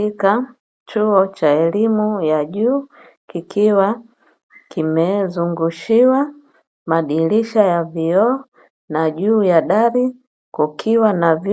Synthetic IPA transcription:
ika | t͡ʃuɔt͡ʃaɛlimujaʄuː | kikʰiwa | kimɛzuŋɡuʃiwa | maɗiliʃajaviɔ | naʄuːjaɗaɾi | kukʰiwanav

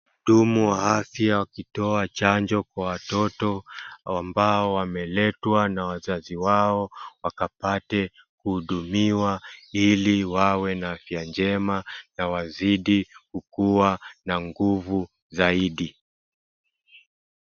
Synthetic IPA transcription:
ɗumuwaafjawakitɔat͡ʃand͡ʒɔkwawatɔtɔambaɔwamɛlɛtwanawazaziwaɔwakapatɛ | kuhuɗumiwailiwawɛnaafjand͡ʒɛmanawaziɗikukuwanaŋɡuvu | zaiɗi

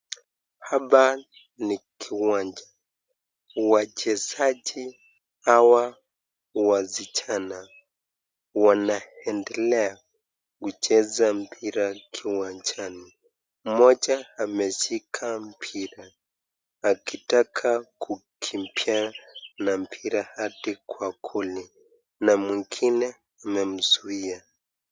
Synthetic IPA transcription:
haɓa | nikʰiwaɲd͡ʒa | wat͡ʃɛzaʄi | hawa | wazit͡ʃana | wanaɛndɛlɛa | kut͡ʃɛzam̩pʰiɾakʰiwant͡ʃani | mɔd͡ʒaamɛʃikʰam̩pʰiɾaː | kitakʰakʰukʰim̩pjanam̩pʰiɾahatikwakʰuli | namwiŋɡinɛ | amɛm̩zuia

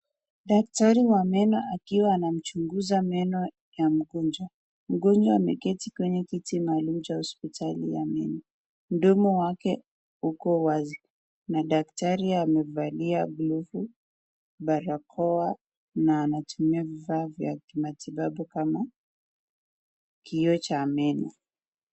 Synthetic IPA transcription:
ɗak̚taɾiwamɛnɔakiwaːnam̩t͡ʃuŋɡuzamɛnɔ | jam̩ɡɔnd͡ʒwa | m̩ɡɔnd͡ʒwaːmɛkɛtikwɛɲɛkitimalum̩t͡ʃahɔspitʰalija̰mɛnɔ | m̩ɗɔmɔwakɛ | ukɔwazi | naɗak̚taɾiamɛvaliaɡlɔfu | ɓaɾakʰɔa | naːnatumiavivavja̰kimatʰiɓaɓukama | kʰiɔt͡ʃaːmɛni

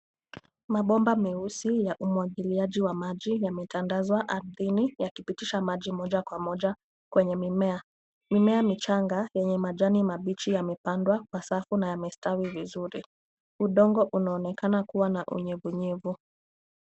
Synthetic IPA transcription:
maɓɔmbamiusijaʔumwaɠiliaʄiwamaʄijamɛtandazwaʔaɾðinijakipitiʃamaʄimɔʄakwamɔʄa | kwɛɲɛmimɛa | mimɛamit͡ʃaŋɡajɛɲɛmaʄanimaɓit͡ʃijamɛpandwakwasafunajamɛstawivizuɾi | uɗɔŋɡɔʔunaɔnɛkanakuwanaʔṵɲɛvuɲɛvu

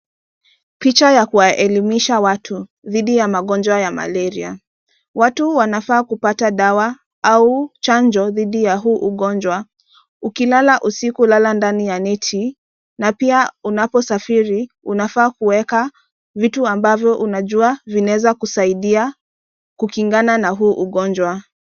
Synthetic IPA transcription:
pit͡ʃajakuwaʔɛlimiʃawatʰu | ðiɗijamaɠɔnd͡ʒwajama̰lɛɾia̰ | watuwanafaːkupataɗawa | aut͡ʃand͡ʒɔðiɗijaɦuʔuɠɔnd͡ʒwa | ukilalaʔusikulalandanijanitʰi | napiaunapɔsafiɾiunafaːkuwɛka | vituambavjɔʔunaʄuavinaɛzakusaiɗia | kukiŋɡananaɦuːʔuɠɔnd͡ʒwa

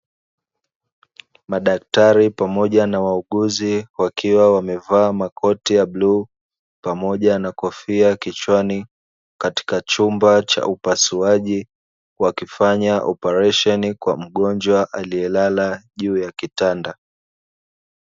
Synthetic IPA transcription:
maɗak̚taɾipamɔʄanawauɠuziwakiwawamɛvaːmakʰɔtijabluː | pamɔʄanakɔfiakit͡ʃwani | kati̥kat͡ʃumbat͡ʃa̰ʔupasuaʄi | wakifaɲaʔɔpɛɾaʃɔnikwa̰m̩ɠɔnd͡ʒwaʔaliɛlalaʄuːjakitanda

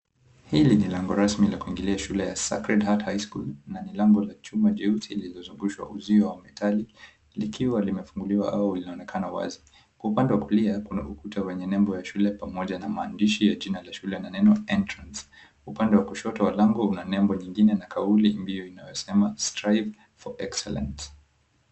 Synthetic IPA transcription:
hilinilɛŋɡɔɾasmilakuiŋɡiliaʃulɛjasa̰kɾɛdhathajskṵlnanilaŋɡɔlat͡ʃumaʄɛuθililɔzuɡuʃwa̰ʔuziɔwamɛtʰali | likʰiwalimɛfuŋɡuliwaʔa̰wɔulinaɔnɛkʰanawa̰zi | kwaupandɛwakuliakuna̰ukutawɛɲɛnɛmbɔjaʃulɛpamɔʄanamaːndiʃijaʄinalaʃulɛnanɛnɔɛntɾans | upandɛwakuʃɔtɔwalaŋɡɔunanɛmbɔɲiŋɡinɛnakʰaulimbijɔinajɔsɛmastɾajv | fɔʔɛksɛ̰lɛ̰nt

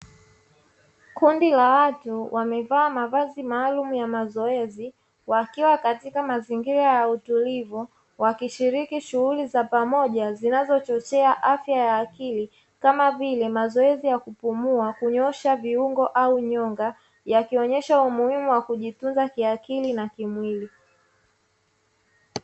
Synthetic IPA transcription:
kundilawatuwʔamɛvaːmavazimaːlumujamazɔɛzi | wakiwakatikamaziŋɡiɾajautulivu | wakiʃiɾikiʃuhulizapamɔʄazinazɔt͡ʃɔt͡ʃɛaʔafjajaːkili | kamavilɛmazɔɛzijakupumuakuɲɔʃaviuŋɡɔʔauɲɔŋɡa | jakiɔɲɛʃaumuhimuwakuʄitunzakiakilinakimwili

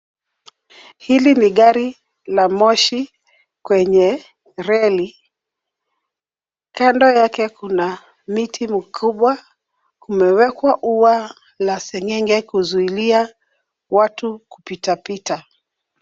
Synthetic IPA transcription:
hiliniɠaɾi | lamɔʃi | kwɛɲɛ | ɾɛli | kandɔjakɛkuna | mitʰimikʰuɓwa | kumɛwɛkwaʔuwa | lasɛŋɛŋɡɛkuzuilia | watuku̥pitapita

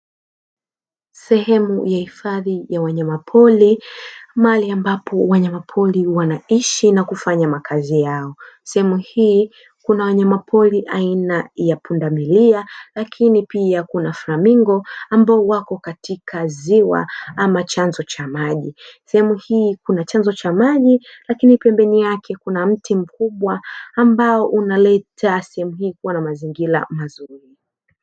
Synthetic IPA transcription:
sɛhɛmujahifaðijawaɲamapʰɔlimaaliambapɔwaɲamapʰɔliwanaiʃinakufaɲamakʰazijaɔ | sɛhɛmuhiː | kunawaɲamapʰɔliʔainajapundamilialakʰinipiakunafɾamiŋɡɔambaɔwakɔkatikʰaziwa̰amat͡ʃanzɔt͡ʃamaʄisɛhɛmuhiːkunat͡ʃanzɔt͡ʃamaʄilakinipɛmbɛnijakʰɛkunam̩tim̩kuɓwaːmbaɔʔunalɛtʰasɛhɛmuhiːkuwanamaziŋɡila̰mazuɾi

